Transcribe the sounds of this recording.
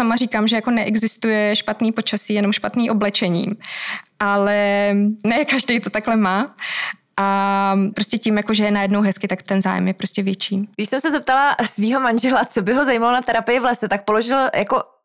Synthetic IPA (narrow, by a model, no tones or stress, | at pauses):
samariːkaːmʒɛjako̞nɛʔɛɡzɪst̪ujɛʃpat̪niːpo̞t͡ʃasiːjɛno̞mʃpat̪niːʔo̞blɛt͡ʃɛɲḭːʔalɛnɛkaʒdɛjt̪o̞t̪aklɛmaː | ʔapɾo̞scɛcɪmjakoʒɛjɛnajɛdnowɦɛskɪt̪akt̪ɛnza̰ːjɛ̰mjɛpɾo̞scɛvjɛt͡ʃiːɡɪʃsɛmsɛzɛp̚t̪alasviːɦomanʒɛlat͡sobɪɦozajiːmalonat̪ɛɾapɪjɪvlasɛt̪ak̚po̞loʒɪljako